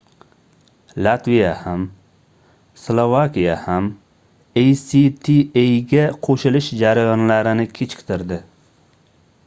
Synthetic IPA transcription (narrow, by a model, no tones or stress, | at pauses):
lat̪vijaham | slˠovakʲijaham | ejsit̪ʰiejɡʲaqʰoʃɪlɪʃd͡ʒaɾajɒnlaɾɪnɪkʲʰet͡ʃʰɪ̥kʲt̪ʰɪɾd̪ɪ